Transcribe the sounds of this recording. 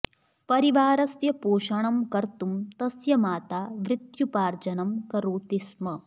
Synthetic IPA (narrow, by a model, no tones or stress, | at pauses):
pɐɾiʋaːɾɐsjɐpoːʃɐɳɐmkɐɾt̪umt̪ɐsjɐmaːt̪aːʋɾɪt̪jupaːɾd͡ʒɐnɐmkɐɾuːt̪ismɐ